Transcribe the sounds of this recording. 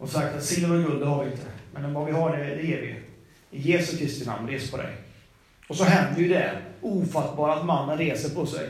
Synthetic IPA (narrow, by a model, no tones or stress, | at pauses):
ɔsak̚t̪at̪sɪlːəɛɡɵld̪ɛhaɾvɪɪnt̪ʰəmɛnɔmvavɪɦaɖɛd̪ɛɛːɾvɪ̰ | ɪjeːsɵkʰɾɪst̪ɪna̰mnɾeːsəpʰɔd̪ɛ̰j | ɔsɔɦɛnd̪əjɵd̪ɛuːfat̪ːbɑːɾat̪manːənɾeːsəɾpʰɔsɛ̰j